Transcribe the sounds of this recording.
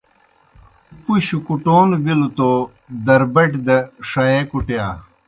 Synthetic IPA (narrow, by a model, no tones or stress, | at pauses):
puɕukuʈoːnbilut̪o | d̪ɐɾbɐʈd̪ɐʂɐekuʈejaː